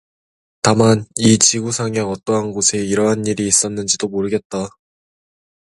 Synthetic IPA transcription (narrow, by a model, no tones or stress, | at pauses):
tamanit͡ɕiɡusʰaŋaʌt͈ʌɦanɡosʰe̞iɾʌɦaniɾiːs͈ʌnːɯnd͡ʑidomoɾɯɡe̞t̚t͈a